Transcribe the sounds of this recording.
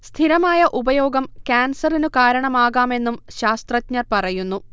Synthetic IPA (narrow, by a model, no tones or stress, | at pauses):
st̪ʰiɾɐmaːjɐʔubɐjo̞ːɡɐmkʲaːnsɐrinukaːɾɐɳɐmaːɣaːme̞nːumɕaːst̪rɐtɲɐrpɐrɐjunːu